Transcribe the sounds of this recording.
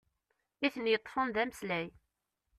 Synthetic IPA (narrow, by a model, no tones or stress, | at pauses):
iθənjət̪ˤːfənðæmslæj